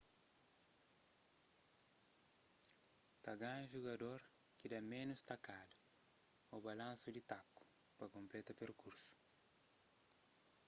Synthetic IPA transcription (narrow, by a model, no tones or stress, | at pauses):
t̪ɐɡãʒuɡɐdoɾkidamenust̪ɐkadu | ɔbalãnsudit̪aku̥pɐkõmplɛt̪ɐpeɾkuɾsu̥